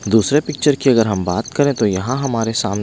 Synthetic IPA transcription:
d̪uːsɾepɪk̚t͡ʃəɾkiɐɡəɾɦɐmbaːt̪kɐɾẽt̪ojɐɦãɦɐmaːɾesaːmn

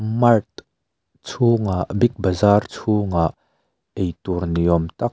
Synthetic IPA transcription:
mɐrt̪̚ | t͡sʰuːŋaʔbɪk̚bɐzaːrt͡sʰuːŋaʔ | ejt̪urniɔmt̪ɐk̚

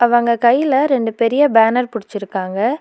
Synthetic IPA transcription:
ɐʋɐːŋɡɐkɐjːɪlɐɾɛɳɖɯpɛɾɪjɐbaːnɐɾpʊɽɪt͡ʃːɪɾɯkːaːŋɡɐ

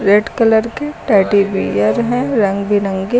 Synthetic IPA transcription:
ɾeɖkɐləɾkeʈaːʈibḭəɾɦɛ̃ɾɐ̃ŋɡbʱilɐ̃ŋɡe

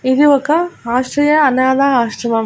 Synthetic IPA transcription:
id̪iʋɐkɐaːʃʈɾɐjɐɐnaːd̪aaːʃʈɐmɐm

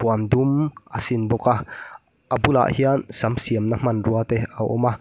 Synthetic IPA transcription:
puand̪umʔasinbɔka | ʔabula̰ʔhiansamsiəmnam̥ɐnruat̪ea̰ʔɔ̰ma

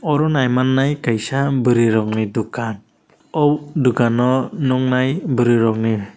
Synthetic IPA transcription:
ɔɾɔnajmanːajkajsabəɾiɾɔŋnidukan | ɔwduɡanɔnuŋnajbəɾiɾɔŋni

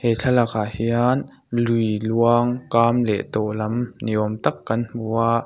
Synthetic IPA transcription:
hetʰalakahian | lujluaŋkaːmlɛ̰ʔt̪ɔlɐmniʔɔmt̪ɐkːɐnuaʔ

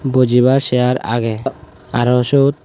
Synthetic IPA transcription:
bod͡ʒiβaɾsɛjaɾa̰ɡɛ | aɾɔsot̪̚

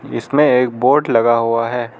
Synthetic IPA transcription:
ɪ̰smẽeːk̚boːɾʈlɐɡaɦuaɦɛː

